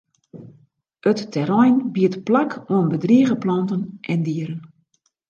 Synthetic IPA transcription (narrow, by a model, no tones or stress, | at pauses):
ətːɛɾɔjnbiətplakʰoənbədriəɣəplɔntənʔɛndiəɾən